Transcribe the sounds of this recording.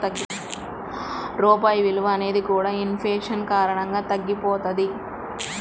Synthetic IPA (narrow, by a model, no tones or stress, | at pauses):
ɾɔːpaːjɐʋiluʋɐɐne̞ːd̪ikuːɽaːinfeːʂɐnkaːɾɐɳɐŋɡaːt̪ɐɡːipoːt̪ɐd̪i